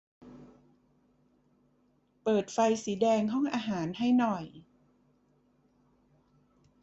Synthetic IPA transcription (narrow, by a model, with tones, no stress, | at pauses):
pɤː˨˩t̪̚fa˧jsiː˩˦dɛː˧ŋɦɔ˥˩ŋʔaː˧ɦaː˩˦nɦa˥˩jnɔ˨˩j